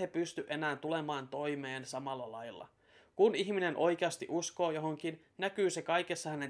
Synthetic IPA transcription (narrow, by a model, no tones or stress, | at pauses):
epyst̪yʔe̞næːnt̪ule̞mɑːnt̪o̞jmeːnsɑmɑlːɑlɑjlːɑ̰ | kuniçmine̞nʔo̞jk̟eɑst̪iʔusko̞ːjo̞ɦoŋk̟in | næk̟yːse̞kɑjke̞sːɑhæne̞